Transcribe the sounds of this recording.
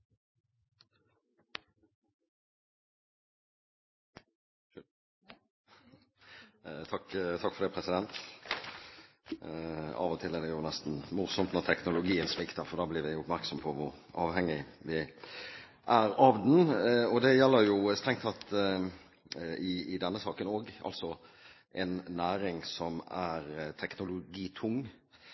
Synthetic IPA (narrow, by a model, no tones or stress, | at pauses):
t̪ʰɑkt̪ʰɑkːfɔɾd̪ɛpʰɾɛsɪd̪ɛnt̪ | ɑ̰ːʋɔt̪ʰɪlːɛd̪ɛjuːʁnɛst̪nmʊʁsɔmt̪nɔʁt̪ʰɛknʊlʊɡiːənspɪkt̪ɑfɔʁd̪ɑːblɪːɾʋɪʊpmæʁksɔmpʰɔʋʊʁʔɑːʋhɛŋːɪʋɪ | ʔæɾɑːʋd̪nɔd̪ɛjɛlːəɾjʊst̪ʁɛŋkt̪ɑt̪ | ɪɪd̪ɛnːəsɑːkənoːɡʔɑ̰lt̪sɔ | ʔɛnːæːɾɪŋsɔmæɾt̪ʰɛknʊlʊɡiːt̪ʰʊŋː